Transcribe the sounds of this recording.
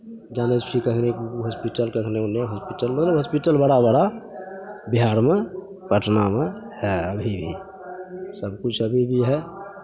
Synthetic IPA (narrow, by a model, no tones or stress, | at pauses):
d͡ʒanespʰikəkʰnekuɦɔspiʈəlkəkʰneunːeɦɔspiʈəlmət̪ləbɦɔspiʈəlbəɽabəɽa | biɦaɾmẽ | pəʈʰnamẽɦɛəbʱibʱi | səbkut͡ʃʰəbʱibʱiɦɛ